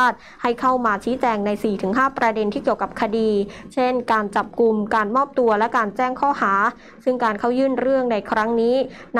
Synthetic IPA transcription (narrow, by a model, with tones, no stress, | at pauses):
t̪̚ | ha˥˩jkʰa˥˩wmaː˧t͡ɕʰiː˦˥t͡ɕɛː˧ŋna˧jsiː˨˩t̪ʰɯ˩˦ŋɦaː˥˩pɾa˧de˧nt̪ʰiː˥˩ki˨˩əwka˨˩p̚kʰa˧diː˧t͡ɕʰe˥˩nkaː˧nt͡ɕa˨˩p̚ku˧mkaː˧nmɔː˥˩p̚t̪u˧ɐlɛ˦˥kaː˧nt͡ɕɛː˥˩ŋkʰɔː˥˩haː˩˦ | sɯ˥˩ŋkaː˧nkʰa˥˩wjɯː˥˩nɾɯ˥˩əŋna˧jkʰɾa˦˥ŋniː˦˥n